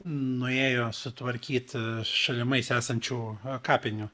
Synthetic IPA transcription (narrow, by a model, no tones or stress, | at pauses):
nʊeːjoːsʊt̪ʋɐɾʲkʲiːt̪ʃɐlʲɪmɐɪsæːsɐnʲt͡ʃʲuːkɑːpʲɪnʲu